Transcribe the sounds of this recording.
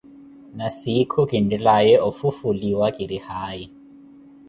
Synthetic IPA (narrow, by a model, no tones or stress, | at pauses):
nasikʰukʼindilajɛʔɔfufuliwakʼiɾihaːji